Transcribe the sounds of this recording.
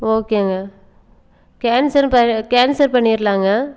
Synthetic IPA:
oːkeŋɡɐ | kaːnsɐɾpɐkaːnsɐɾpɐɳːɪɾlaːŋɡɐ

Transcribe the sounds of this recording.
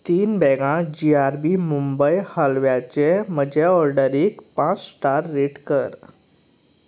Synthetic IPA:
t̪iːnbɛɡãd͡ʑiaɾbimumbəjhalʋjat͡ɕem̤əd͡ʑeɔɾɖəɾikpãt͡ssʈaɾːeʈkəɾ

